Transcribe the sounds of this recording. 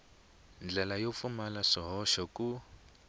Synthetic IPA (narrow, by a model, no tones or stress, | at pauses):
nd͡ɮɛlajɔpfumalaʂiɦɔʃɔku